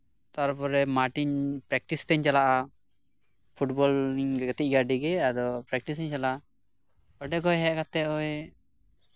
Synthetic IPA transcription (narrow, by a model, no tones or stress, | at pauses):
t̪aɾpɔɾɛmaɾʈiɲpɾɛk̚ʈistɛɲt͡ʃalaʔa | pʰuʈbɔliŋɡɛɡɛt̪ic̚ɡaɖiɡɛad̪ɔpɾɛkʈis̬iɲt͡ʃala | ɔɖɛɡɔjɦɛkat̪ɛɔj